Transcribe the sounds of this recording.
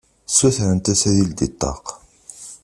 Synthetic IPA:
sæθɾənt̪æsæðild̪it̪ˤːɑ̰q

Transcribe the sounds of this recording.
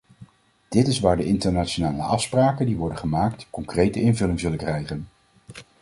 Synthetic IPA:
d̥ɪtɪsʋaːɹdəʔɪntəɹnaːt͡ʃonaːləʔɑfspraːkəndiʋɔɹdəχəmaːktkɔŋkrejtəɪnvɵlɪŋzɵləkrɛjχən

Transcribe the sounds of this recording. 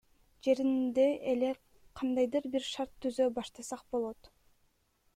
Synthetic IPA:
d͡ʒe̞ɾind̪e̞ʔele̞ | qʰɑnd̪ɑjd̪ɯɾbiɾʃɑɾt̪ʰːyzøbɑʃt̪ɑsɑq̚bo̞lˠo̞t̪

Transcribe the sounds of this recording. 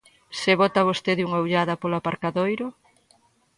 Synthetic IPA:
seβot̪ɐβ̞ost̪eðuŋauwʎaðɐpoloapaɾkaðojɾʊ

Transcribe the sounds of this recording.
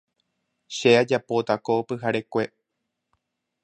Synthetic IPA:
ʃead͡ʒapo̞t̪akoːpɨɦaɾe̞kʷe̞

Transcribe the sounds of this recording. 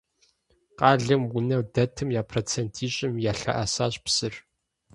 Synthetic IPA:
qɑːɮɨmwʊnɐwdɐtʰɨmjaːpʰroːt͡sʰentʰiːɕʼɪmjaːɬɐ̰ʔɐsaːɕʼpsɨr

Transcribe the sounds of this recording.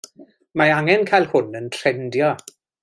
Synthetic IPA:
maaŋɛnkʰajlˠhʊnəntʰrɛndjɔ

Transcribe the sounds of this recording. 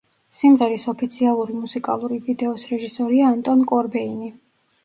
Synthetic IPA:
simʁɛɾisɔpʰit̪sʰialˠuɾimusikʼa̰lˠuɾivid̪ɛɔsɾɛʒisɔɾiaːnt̪ʼɔnkʼɔɾbɛini

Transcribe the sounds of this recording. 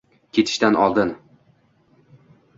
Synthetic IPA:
kʲʰe̞t̪ʰɪ̥ʃt̪anʔɒ̰lˠd̪ɪn

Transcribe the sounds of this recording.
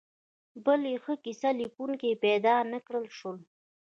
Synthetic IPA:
bəlexəkisalikuŋkepɛd̪ɑnəkɽəlʃol

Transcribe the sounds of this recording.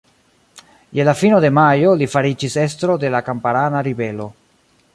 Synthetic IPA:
jelafinode̞majo̞lifaɾid͡ʒise̞s̬tɾo̞de̞lakampaɾanaɾibe̞lo̞

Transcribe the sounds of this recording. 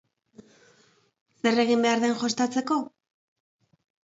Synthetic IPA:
se̞re̞ɣ̞imbe̞aɾðe̞nʝo̞st̪at͡se̞ko̞

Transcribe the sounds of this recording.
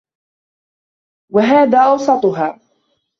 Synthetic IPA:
waɦaːðaːʔɑwsˤɑt̪ˤʊɦaː

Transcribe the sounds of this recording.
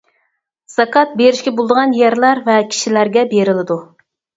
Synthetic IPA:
sɑkʰɑt̪̚beɾɪʃkʲɛbolˠd̪əʁɑnjɛɾlæɾvɛkʲʰi̥ʃilæɾɡʲɛbeɾɪlɪd̪u

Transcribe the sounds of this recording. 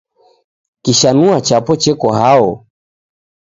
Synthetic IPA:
kiʃanuat͡ʃapɔt͡ʃɛkɔhaɔ

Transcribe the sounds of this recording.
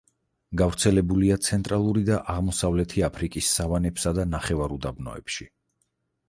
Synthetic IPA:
ɡavɾt̪sʰɛlɛbuliat̪sʰɛnt̪ʼɾalˠuɾid̪aʔaʁmɔsavlɛt̪ʰiapʰɾikʼisːavanɛpsad̪anaχɛvaɾud̪abnɔ̰ɛ̰pʃi

